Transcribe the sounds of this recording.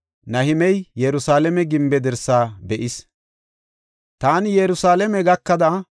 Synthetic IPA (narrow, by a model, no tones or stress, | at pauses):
nɐhɪmɛjjɛɾʊsaːlɛmɛɡɪmbɛd̪ɛɾsaːbɛʔɪs | t̪aːnɪjɛɾʊsaːlɛmɛɡɐkːɐd̪ɐ